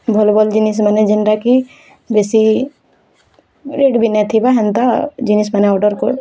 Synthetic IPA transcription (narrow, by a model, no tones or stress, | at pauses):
bʱɔlbɔld͡ʒinis̬mɐnɛd͡ʒinɾaki | besi | ɾeːɖbʱinɛt̪ʰibaɦɛnt̪ad͡ʒinis̬mɐnɛawɖəɾko̰